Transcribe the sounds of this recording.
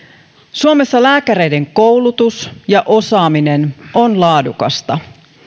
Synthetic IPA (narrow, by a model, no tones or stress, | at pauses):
suome̞sːɑlæːkæɾe̞jde̞ŋko̞wlut̪usjɑʔo̞sɑːmine̞no̞nlɑːdukɑ̰st̪ɑ